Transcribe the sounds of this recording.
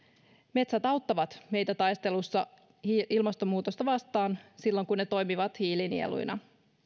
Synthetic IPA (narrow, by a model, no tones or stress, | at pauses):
me̞t̪sæt̪ɑuwt̪ːɑʋɑt̪me̞jt̪æt̪ɑjst̪e̞lusːɑ | iilmɑst̪o̞muːt̪ost̪ɑʋɑst̪ɑːnsilːoŋkunːet̪o̞jmiʋɑt̪hiːlinḭḛlṵjnʔɑ